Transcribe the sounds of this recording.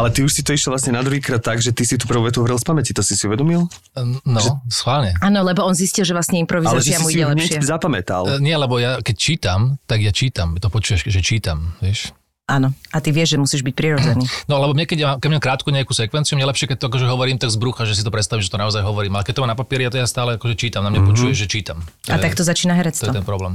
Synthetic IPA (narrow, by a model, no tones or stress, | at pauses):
alɛt̪iuʃsit̪ɔiʃlɛɔʋlasɲɛnad̪ɾuɦiːkɾaːt̪ːaɡʒɛt̪isit̪uːpr̩uːʋɛt̪uɔʋɾilˠspamɛcit̪ɔsisiuʋɛd̪ɔmilˠ | nɔsxʋaːlɲɛaːnɔlɛbɔɔnziscilˠʒɛʋlasɲɛimpɾɔʋiazaɛʒɛamuiɟɛlɛɲɛʃɪɛzapamɛt̪a̰lɲɪɛlɛbɔjakɛct͡ʃiːt̪amt̪aɡjat͡ʃiːt̪amt̪ɔpɔt͡ʃuːʋaʃʒɛt͡ʃiːt̪amʋɪɛʃ | ʔanɔat̪iʋɪɛʒʒɛmusiːʒbic̚pɾiɾɔd͡zɛniːnɔlɛbɔmɲɛkɛɟmaːmkɛɟmɲamkɾaːt̪kuɲɛakuːsɛkʋɛnt͡siumɲɛlɛpʃɪɛkɛc̚t̪ɔakɔʒɛɦɔʋɔɾiːmt̪aɡzbɾuxaʒɛsit̪ɔpɾɛt̪st̪aʋimʒɛt̪ɔnaɔzajɦɔʋɔɾiːmalɛkɛc̚t̪ɔmamnapapiɛɾijat̪jast̪aːlɛakɔʒɛt͡ʃiːt̪amnamɲapɔt͡ʃuːjɛʒʒɛt͡ʃiːt̪amt̪at̪akt̪ɔzat͡ʃiːnaɦɛɾɛt͡st̪ɔɛɔt̪ɛnpɾɔblɛːm